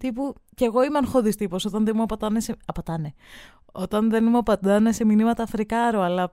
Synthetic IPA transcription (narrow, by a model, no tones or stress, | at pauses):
t̪ipuce̞ːɣo̞imeɐnxo̞ðist̪iposo̞t̪ɐnðemuɐpɐt̪ɐneseɐpɐt̪ɐne̞ | o̞t̪ɐnðenmuɐpɐt̪ɐne̞seminimɐt̪ɐfɾikɐɾoɐlɐ